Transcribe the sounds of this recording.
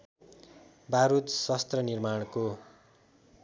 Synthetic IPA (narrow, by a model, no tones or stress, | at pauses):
baɾut̪swast̪rʌnirmaɽ̃ko